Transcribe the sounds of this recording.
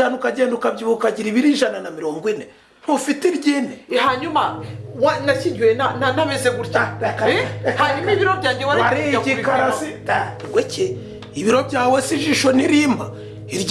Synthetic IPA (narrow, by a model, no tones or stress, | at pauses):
anukaɟeːndukaβɟiβukaɟiɾiβiɾiʒananamiɾoːŋɡwine | nufitiɾɟinehaɲumawanaciɟwenananameseɡuɾcaakahaɾimiβiɾobɟaːɟewaaɾiɟikaɾasitawece | iβiɾo̞βɟaːwesiʒiʃoniɾimba | iɾɟ